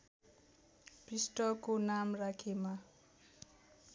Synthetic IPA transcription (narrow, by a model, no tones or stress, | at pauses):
prisʈʌkonamrakʰema